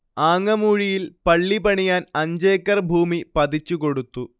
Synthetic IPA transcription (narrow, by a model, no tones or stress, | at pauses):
aːŋːɐmuːɻijilpɐɭːipɐɳijaːnɐɲd͡ʑeːkːɐrbʱuːmipɐd̪it͡ɕːuko̞ɽut̪ːu